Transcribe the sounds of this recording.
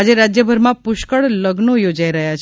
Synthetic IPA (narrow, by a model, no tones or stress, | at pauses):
ad͡ʒeɾad͡ʒjəbʱəɾmãpʊʃkəɭləɡnojod͡ʒaiɾəɦjat͡ʃʰ